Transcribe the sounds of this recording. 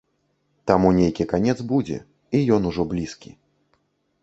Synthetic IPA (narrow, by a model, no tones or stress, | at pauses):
t̪amunʲejkʲikanʲɛt̪zbud͡zʲɛ̰ | ijɔnuʐɔblʲiskʲi